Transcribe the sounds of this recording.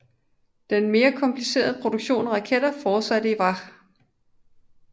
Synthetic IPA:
d̥enme̝ːɐkʰɒ̽mpʰlise̝̰ːɐðˠəpʰʁo̝d̥uɡ̥ɕo̝̰ːnʁɑ̈kʰed̥ɐfɒːsæd̥əiʋɑ̈

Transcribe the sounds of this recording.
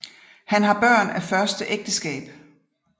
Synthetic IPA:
hænɦɑ̈b̥ɶɐ̰næfɶɐsd̥əʔeɡ̥̚d̥əsɡ̥ɛ̰ːb̥

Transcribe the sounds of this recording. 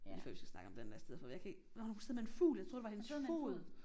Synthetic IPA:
ifisɡ̥æsnɑ̈ɡəɒ̽md̥end̥æɐsd̥eð̰ˠfɒ̽jɑ̈ɪkʰæe̝ɡ̥ | unseðˠmee̝nfṵːljaɪt͡sʰʁo̝ɐde̝ɑhe̝nəsfo̰ːð̩ˠ

